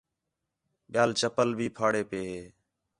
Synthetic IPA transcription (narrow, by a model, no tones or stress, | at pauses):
ɓɪjaːlt͡ʃəpəlbʱiːpʰaːɽeːpeːɦeː